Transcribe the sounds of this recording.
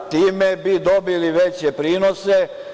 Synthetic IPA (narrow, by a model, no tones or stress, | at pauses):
t̪iːmebid̪obiliʋet͡ɕepɾiːnose